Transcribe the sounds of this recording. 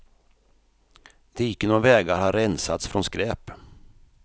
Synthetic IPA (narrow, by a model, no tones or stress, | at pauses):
d̪̥ɛjɪkːənovɛːɡaɾhaɾɛnsat̪sfɾɔnskɾɛːp